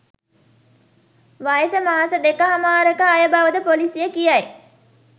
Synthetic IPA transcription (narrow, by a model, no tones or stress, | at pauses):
ʋajəsəmaːasəd̪ekəɦamaːɾəkəajəbaʋəd̪əpolisijəkijɐj